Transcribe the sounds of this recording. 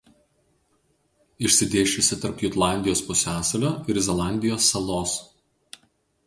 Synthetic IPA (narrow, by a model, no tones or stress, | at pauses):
ɪʃʲsʲɪd̪ʲeːʃʲʊsʲɪt̪ɐɾpjʊt̪lˠɑˑnʲd̪ʲɪjoːspʊsʲæːsɐlʲoːɪɾzʲɛlˠɑˑnʲd̪ʲɪjoːsːɐlˠoːs